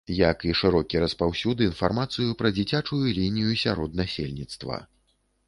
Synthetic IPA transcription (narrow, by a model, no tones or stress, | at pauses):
jɐkiʂɨɾɔkʲiɾɐspawsʲud̪ɨːnfarmat̪sɨjupɾɐd͡zʲit͡sʲat͡ʂujulʲinʲijusʲaɾɔd̪̚nasʲelʲnʲit̪st̪vɐ̰